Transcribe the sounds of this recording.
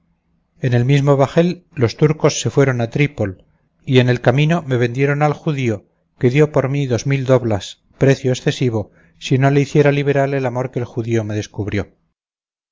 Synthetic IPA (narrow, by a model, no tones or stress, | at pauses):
e̞ne̞lmizmo̞βaxe̞lːo̞st̪uɾko̞sːe̞fwe̞ɾo̞nat̪ɾipo̞l | ie̞ne̞lkamĩno̞me̞βẽ̞nd̪je̞ɾo̞nalxuðio̞ | ke̞ðjo̞po̞ɾmiðo̞zmild̪o̞βlas | pɾe̞θjo̞esθe̞siβo̞ | sino̞le̞iθje̞ɾaliβ̞e̞ɾalelamo̞ɾkeːlxuðio̞me̞ðe̞skuβɾjo̞